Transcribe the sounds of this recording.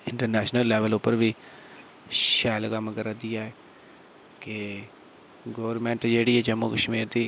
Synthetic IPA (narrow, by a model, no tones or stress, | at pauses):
ɪɳʈəɾnɛːʃnəlːɛːʋəlʊpːəɾʋiː | ʃɛːlkəmɡəɾad̪ɪjaːɛː | ke | ɡoːʋəɾmɛ̃ːɳʈd͡ʒeːɽiɛːd͡ʒəmːukəʃmiːɾd̪iː